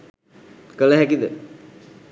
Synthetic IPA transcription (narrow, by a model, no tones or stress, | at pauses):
kələɦɛkid̪ə